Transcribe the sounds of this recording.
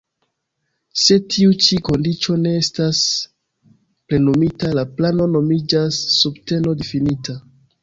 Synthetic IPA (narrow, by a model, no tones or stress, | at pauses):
se̞tʰiut͡ʃiko̞ndit͡ʃo̞ne̞estas | ple̞nomitalaplano̞no̞mid͡ʒasːubte̞no̞definitʰa